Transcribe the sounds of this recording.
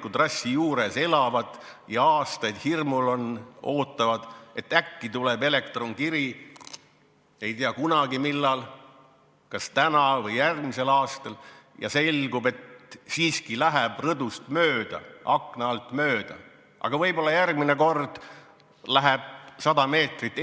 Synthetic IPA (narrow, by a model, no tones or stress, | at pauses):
kːud̪rɑsʲːijuːɾe̞se̞lɑvɑd̪̥jɑɑːst̪ɑjd̪̥hirmulo̞no̞ːt̪ˑːɑvɑd̪̥e̞t̪ːˑækːit̪ule̞be̞le̞kt̪ro̞ŋkiɾi | e̞jt̪iɑkunɑɡimilːɑl | kɑst̪ænɑvɤjjærɡmise̞lɑːst̪ɑljɑ̰se̞lɡ̥ube̞t̪siːskilæɦæb̥rɤd̪ust̪møːd̪̥ɑ̰ʔɑknɑɑlt̪mø̞ːd̪̥ɑ̰ | ʔɑ̰ɡ̥ɑvɤjbo̞lːɑjærɡmineko̞rd̪̥ | læɦɛb̥̚sɑd̪̥ɑme̞ːt̪rit̪ːˑ